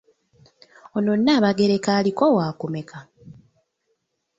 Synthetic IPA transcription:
ononːaːβaɡe̞ɾe̞kaːlikowaːkume̞kʰa

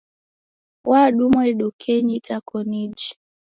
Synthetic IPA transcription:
waɗumɔiɗukʰɛɲitakʰɔnid͡ʒi

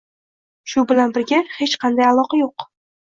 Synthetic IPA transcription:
ʃʊbɪlanbɪɾɡʲahe̞t͡ʃqʰɑnd̪ajalˠɒqajoq

